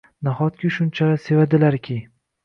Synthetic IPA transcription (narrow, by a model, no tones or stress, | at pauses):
naχɒt̪̚kʲɪʃʊnt͡ʃʰaɾase̞vad̪ɪlaɾkʲʰɪ